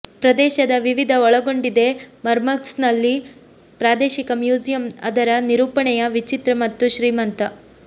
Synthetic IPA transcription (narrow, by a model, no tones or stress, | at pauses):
pɾɐd̪ɛːʃɐd̪ɐʋiʋid̪ʱɐɔɭɐɡo̞ɳɖid̪e̞mɐɾmɐksnɐlːi | pɾaːd̪eːʃikɐmjuːd͡ʒijɐmɐ̰d̪ɐɾɐniɾuːpɐɳɛjɐʋit͡ʃit̪ɾɐmɐt̪ːuʃɾiːmɐnt̪ɐ